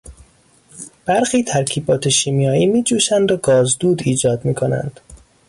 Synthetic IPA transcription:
b̥æɾxiːt̪ʰæɾkʰiːbɒːt̪ʰe̞ʃiːmijɒːiːmiːd͡ʒuːʃænd̪ɾɒɡɒːzd̪uːd̪iːd͡ʒɒːd̪miːkʰonæ̰nd̪̥

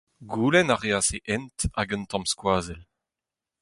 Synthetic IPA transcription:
ɡuːlɛnaʁeaːseʔɛntaɡənt̪ɑ̃mskwaːzɛl

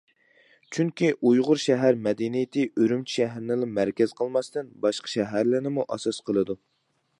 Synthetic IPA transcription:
t͡ʃʰyŋkʲiʔujʁʊɾʃɛɦæɾmɛd̪inijɪt̪ʰɪʔøɾymt͡ʃʰʃɛɦɾɪnɪlˠɨmæɾkʲɛz̥qʰəlˠmɑst̪ɨnbɑʃqɑ̥ʃɛɦæɾlɪɾnɪmuʔɑsɑsqʰəlˠɨd̪u

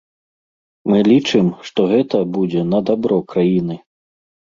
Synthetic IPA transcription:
mɨlʲit͡ʂɨmʂt̪ɔɣɛt̪ɐbud͡zʲɛnɐd̪abɾɔkɾajinɨ

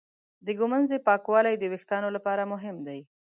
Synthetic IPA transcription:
d̪əɡʊmanzepɑkwɑlajd̪əwɪxt̪ɑnolapɑɾamʊɦɪmd̪aj

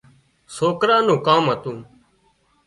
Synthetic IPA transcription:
soːkɾaːnũːkaːmɦət̪ũː

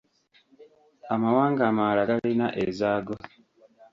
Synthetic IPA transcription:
amawaːŋɡamalaɡalinaʔḛzaːɡo

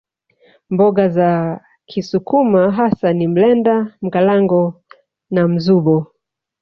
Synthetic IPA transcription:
mbɔɡaza | kʰisukumaɦasanim̩lɛndam̩ɡalaŋɡɔ | nam̩zuɓɔ

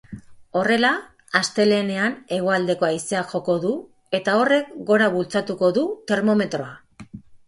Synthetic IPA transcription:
o̞re̞laː | st̪e̞le̞ːne̞ane̞ɣoald̪e̞ko̞ajse̞axo̞ko̞ðu | e̞t̪ao̞re̞kɡo̞ɾaβult͡sat̪uko̞ðut̪e̞ɾmo̞me̞t̪ɾo̞a

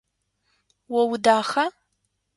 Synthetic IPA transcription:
wɐwʊdaːxɐ

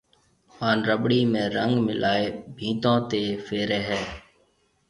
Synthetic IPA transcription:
paːnɾəɓɽiːmẽːɾəŋɡmɪlaːeːbʱĩːt̪õːt̪eːfeːɾeːɦɛː

